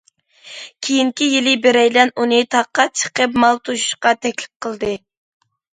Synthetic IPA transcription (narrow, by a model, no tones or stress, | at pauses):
kʲʰijiŋkʲijilɪbeɾɛjlɛnunɨt̪ʰɑqːɑt̪̚t͡ʃʰə̥qəp̬mɑlˠt̪ʰuʃu̥ʃqɑt̪ʰɛkʲlɪ̥p̚qʰəlˠd̪ɨ